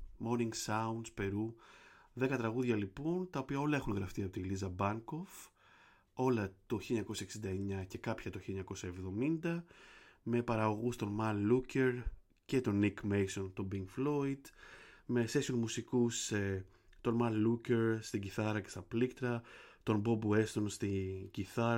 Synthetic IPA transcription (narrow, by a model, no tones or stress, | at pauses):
mo̞niŋɡsɐund̪spe̞ɾuðe̞kɐt̪ɾɐɣuðʝɐlipo̞nt̪ɐo̞piɐo̞lɐe̞xunɣɾɐft̪iɐpo̞t̪ilizɐbɐŋko̞v | o̞lɐt̪oçileɲɐko̞sɐeksind̪ɐeɲɐce̞kɐpçɐt̪oçileɲɐko̞sɐevðo̞mind̪ɐme̞pɐɾɐɣo̞ɣust̪o̞nmɐnluce̞ɾ | ce̞t̪o̞nikmejso̞nt̪o̞biŋɡflo̞id̪me̞se̞sionmusikuse | t̪o̞nmɐnluce̞ɾst̪iɟiθɐɾɐce̞st̪ɐplikt̪ɾɐt̪o̞nbo̞bue̞st̪onst̪iɟiθɐɾ